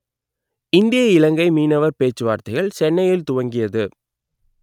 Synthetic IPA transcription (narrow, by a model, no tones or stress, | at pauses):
ɪnd̪ɪjɐɪlɐŋɡɐɪmiːnɐʋɐɾpeːt͡ʃːɯʋaːɾt̪ɐɪɣɐɭt͡ʃɛnːɐjɪlt̪ʊʋɐŋɡɪjɐðɯ